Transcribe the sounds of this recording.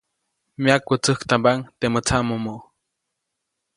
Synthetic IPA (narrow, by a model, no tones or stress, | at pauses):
miakːut͡sɨhkt̪ambaŋt̪emət͡sʰaʔmomoʔ